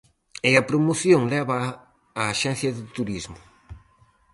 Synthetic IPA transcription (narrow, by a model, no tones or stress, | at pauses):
eɐpɾomoθjoŋlɛβɐː | ʃɛn̟θjɐðɪt̪uɾizmʊ